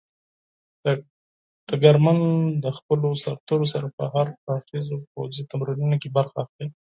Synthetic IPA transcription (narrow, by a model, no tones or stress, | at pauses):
ɖ̥aɡaɾmand̪əxpəlosaɾt̪eɾosaɾapə̰ɦaɾaxizopowzit̪amɾinunokebaɾxaːxli